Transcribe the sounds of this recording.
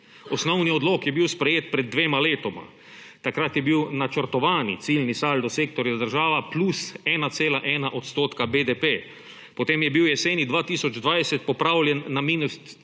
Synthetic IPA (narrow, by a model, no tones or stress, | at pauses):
ɔsnɔwniɔd̪loːkjɛbiwspɾɛjeːt̪̚pɾɛd̪̚ːʋeːmaleːt̪ɔma̰ | t̪akɾat̪jɛbiwnat͡ʃəɾt̪ɔʋaːnḭt̪silnisaːld̪ɔseːk̚t̪ɔɾjad̪əɾʒaːʋaplusɛːnat̪seːlaʔɛːnaʔot̪st̪oːt̪kabed̪epe | pɔt̪eːmjɛbiwjɛseːnid̪ʋaːt̪iːsɔd͡ʒd̪ʋajsɛt̪̚pɔpɾawlʲjɛnːamiːnust̪